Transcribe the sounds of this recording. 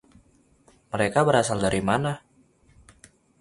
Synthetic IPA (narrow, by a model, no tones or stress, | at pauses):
məɾekabəɾasaldaɾʔimana